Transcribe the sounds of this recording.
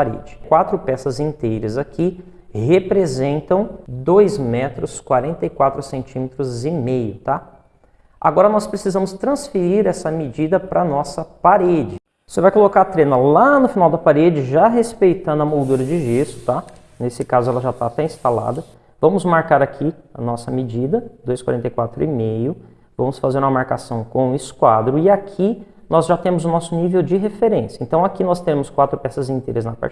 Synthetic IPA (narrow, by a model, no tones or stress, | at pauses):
aɾḛd͡ʒɪ̥kwat̪ɾʊpɛsɐzĩnt̪ejɾɐzakʰi | hepɾezẽnt̪ɐ̃w̃d̪ojzmɛt̪ɾʊskwaɾẽnt̪ɐikwat̪ɾʊsẽnt͡ʃĩmet̪ɾʊzɪmejʊt̪a | a̰ɡɔɾɐnɔspɾesizɐ̃mʊst̪ɾɐ̃sfeɾiɾɛsɐmed͡ʒid̪ɐpɾɐnɔsɐpaɾed͡ʒɪ | sɪvajkolokaɾt̪ɾẽnɐlanʊfinawd̪ɐpaɾed͡ʒɪʒaɦespejt̪ɐ̃nd̪ʊɐmowd̪uɾɐd͡ʒɪʒest̪ʊ̥t̪a | nesɪkazʊɛlɐʒat̪at̪ɛĩst̪ala̰d̪ɐ | vɐ̃mʊzmaɾkaɾakʰiɐ̰nɔsɐmed͡ʒid̪ɐd̪ojskwaɾẽnt̪ejkwat̪ɾʊɪmejʊ | vɐ̃mʊsfazeɾũmɐmaɾkasɐ̃w̃kõw̃ɪskwad̪ɾʊɪakʰi | nɔzʒat̪ẽmʊzʊnɔsʊnivewd͡ʒɪɦefeɾẽsjɐẽnt̪ɐ̃w̃akinɔst̪eɾẽmʊskwat̪ɾʊpɛsɐzĩnt̪ejɾɐznɐpa̰ɾ